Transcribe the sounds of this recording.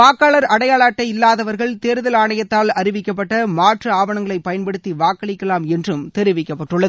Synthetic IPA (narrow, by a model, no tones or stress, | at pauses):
aːkːaːɭɐɾɐɽɐjaːɭaːʈːɐɪɪlːaːðɐʋɐɾɣɐɭt̪eːɾɯðɐlaːɳɐjɐt̪ːaːlɐɾɪʋɪkːɐp̬ːɐʈːɐmaːʈrɐaːʋɐɳɐŋɡɐɭɐɪpːɐjɐnpɐɽɯt̪ːiʋaːkːɐɭɪkːɐlaːmɛndrɯmt̪ɛɾɪʋɪkːɐpːɐʈrɯɭːɐðɯ